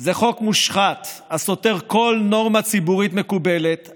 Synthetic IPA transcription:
zeχo̞kmuʃχat̪aso̞teʁko̞lno̞ʁmat͡sibuʁit̪me̞kube̞let̪

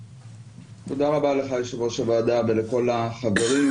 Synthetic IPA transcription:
t̪od̪aʁabale̞χajeʃavoʃavaːd̪abeleko̞laχave̞ʁi

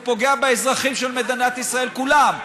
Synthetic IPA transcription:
po̞ɡe̞abeezʁaχimʃelmed̪inat̪isʁae̞lkulam

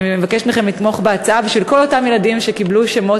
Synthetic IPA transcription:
mevakeʃmeχe̞mlit̪mo̞χbeat͡saabiʃvilko̞lotamjeladimʃe̞kibluʃemo̞

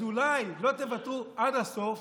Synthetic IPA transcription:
ulajlo̞t̪e̞vat̪uʔad̪haso̞f

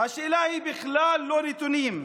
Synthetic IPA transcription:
aʃɪlaːhibɪxlaːlːoːɾit̪ʊniːm

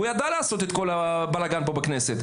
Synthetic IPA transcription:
ujad̪alaːsot̪et̪kolabalaɡanbobekneːset̪

